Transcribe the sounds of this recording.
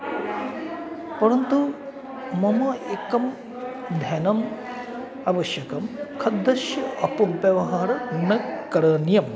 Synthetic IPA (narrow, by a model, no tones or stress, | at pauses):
pɐɾɐnt̪u | mɐmɐekɐm | d̪ʱɐnɐm | ɐʋɐʃjɐkɐmkʰɐd̪ːɐʃjɐʔɐpɐmpjɐʋɐɦaːɾɐnɐkɐɾɐnjɐm